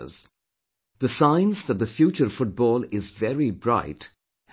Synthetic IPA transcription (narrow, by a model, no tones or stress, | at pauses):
z̥ | ðɨsãɪ̃nzðət̪̚ðɨfjut͡ʃə˞fʊt̚b̥ɔːlˠɪzvɛɹibɹa̰ɪt